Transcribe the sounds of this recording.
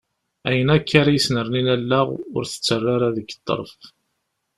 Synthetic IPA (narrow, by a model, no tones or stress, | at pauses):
æjənækːaɾajəsnəɾˤninælːaʁʊ̰ɾθə̥t͡sːərˤːaɾaðəɡə̥t̪ˤːə̰ɾˤəf